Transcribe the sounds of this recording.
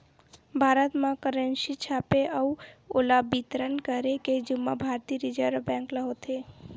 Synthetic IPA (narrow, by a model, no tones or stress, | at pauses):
bʱaɾət̪mãkəɾənsit͡ʃʰapeʔəuolabit̪ɾənkəɾeked͡ʒumːabʱaɾt̪iɾid͡ʒəɾbɛ̃ŋkləɦot̪ʰe